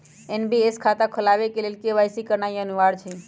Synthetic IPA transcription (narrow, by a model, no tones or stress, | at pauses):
enbieskʰat̪akʰəlaːʋekelelkeʋajsikəɾnaiənuʋaːɽt͡ʃʰe